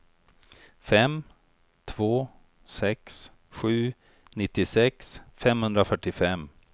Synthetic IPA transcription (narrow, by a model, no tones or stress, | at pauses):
fɛm | t̪ʰvoː | sɛks | ɧʉ̟ː | nɪt̪ːɪsɛksfɛmhɵnd̪ɾafœʈːɪfɛm